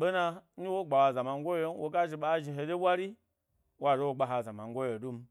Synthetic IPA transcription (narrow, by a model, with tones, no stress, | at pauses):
ɓe˦na˧ni˦wo˦ɡ͡ba˨wa˨za˨ma˨ŋɡʷo˦jje˦n˦wʔo˨ɡa˦ʒi˨ɓa˨˦ʒi˨ɦe˨de˦ɓʷa˦ɾi˦ | wa˨ʒe˦wo˨ɡ͡ba˨ɦa˨za˨ma˨ŋ˦ɡʷo˦jo˨du˦m̩˦